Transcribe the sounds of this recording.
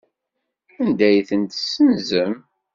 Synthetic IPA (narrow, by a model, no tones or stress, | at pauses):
ænd̪æjθənt̪sːənzəm